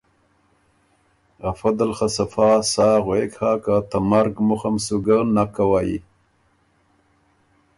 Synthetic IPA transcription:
ɣafad̪alχasafaːsaːɣwekhakat̪amaɾɡmʊxamsuɡanakːawaːjḭ

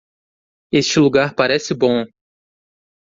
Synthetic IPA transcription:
est͡ʃɪluɡaɾpaɾɛsɪbõ

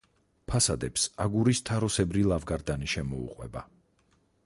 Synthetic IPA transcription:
pʰasad̪ɛpsaɡuɾist̪ʰaɾɔsɛbɾilˠavɡaɾd̪aniʃɛmɔṵqʼwɛ̰ba

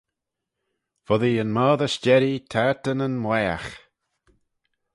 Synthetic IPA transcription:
vɔðiənmaːðəʃt͡ʃɛɾit̪ʰaɹt̪ənənmlɛːa̰x

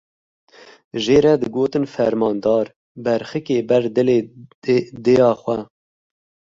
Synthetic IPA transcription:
ʒeːɾɛd̪ɨɡoːt̪ɨnfɛɾmɑːnd̪ɑːɾ | bɛɾxɨkeːbɛɾd̪ɨleː | d̪ejɑːxwɛ

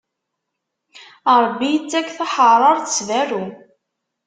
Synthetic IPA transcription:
əɾˤbːijt͡sːækːθaħəɾˤɑɾˤθsvæɾu

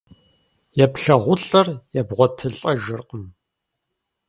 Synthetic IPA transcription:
jɛpɬɐʁʷʊɬʼɐrjɛbʁʷɔtʰɨɬʼɐʒɨrqəm

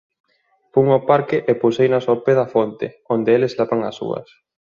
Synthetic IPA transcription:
puŋopaɾkɪʔepusejnɐsoɾpeðɐfont̪ɪ̰ | ond̪eeleslapaŋɐ̰sṵɐ̰s

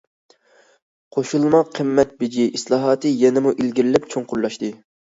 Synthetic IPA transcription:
qʰoʃulˠmɑqʰːəmːɛt̪̚bɪd͡ʒiʔislˠɑːɦɑːt̪ɨjɛnɪmuʔilɡʲiɾɪlɛpt͡ʃʰoŋqʊɾlˠɑʃt̪ɨ

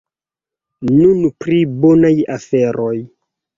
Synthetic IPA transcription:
nunpɾibonajafeɾʔoj

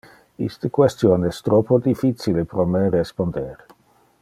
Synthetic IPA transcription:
ḭst̪əkwest̪joːnɛst̪ɾopod̪ifit͡silepɾomeɾespond̪eɾ

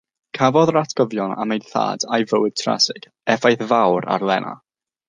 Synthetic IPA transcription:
kʰavɔðəɾatʰɡ̥ɔvjɔna̰mejθa̰ːdajvəwɪd̥̚tʰra̰sɪɡ̥ | ɛfajθvawɾa̰rlˠɛnʔa̰

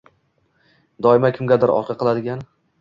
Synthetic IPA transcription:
d̪ɒɪmakʲʰɪmɡʲad̪ɪɾɒ̰qʲʰɑqʰɨlˠad̪ɪɡʲan

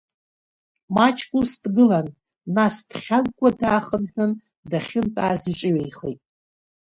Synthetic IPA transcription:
mat͡ʃʰʼkʷʼustʼɡɨlanː | asd̥χʲaŋkʷʼadaːχənħᶣʊn | daχʲɪntʼaːziʈ͡ʂʼɪɥejχejtʼ

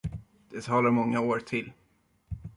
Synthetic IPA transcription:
d̪̥ɛt̪ʰɑːlaɾmɔŋːaoːɾt̪ʰɪlː

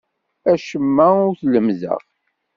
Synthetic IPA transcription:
æʃəmːæʊɾθləmðə̰ʁ

